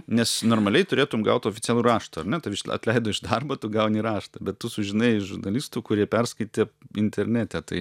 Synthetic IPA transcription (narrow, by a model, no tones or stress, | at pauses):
nʲɛsnoːrmɐlʲɛɪt̪ʊɾʲeːt̪ʊmɡɐʊt̪oːfʲɪt̪t͡sʲæːlʲˠuːrɑːʃt̪uɐrnʲɛt̪ɐʋɪʃɐ̰t̪ʲlʲɛɪd̪oːɪʒd̪ɐrbɐt̪ʊɡɐʊnʲiɾɑːʃt̪ɐbʲɛt̪t̪ʊsʊʒʲɪnɐɪɪʒʊrnɐlʲiːst̪uːkʊɾʲiɛpʲɛrskɐɪt̪ʲeːɪnʲt̪ʲɛɾʲnʲæːt̪ʲɛt̪ɐɪ